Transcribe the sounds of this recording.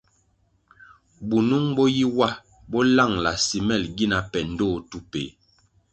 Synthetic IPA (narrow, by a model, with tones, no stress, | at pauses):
bu˨nu˦ŋbɔ˦ji˦wa˦ | bɔ˦la˦˨ŋla˨si˨mɛ˦˨lɡi˦na˨pɛ˨n̩˦do˦˨tu˦pḛ˨